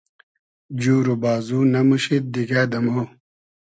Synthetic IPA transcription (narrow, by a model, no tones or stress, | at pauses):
d͡ʑuːɾubaːzuːnɐmuɕit̪̚d̪iɡaːd̪ɐmo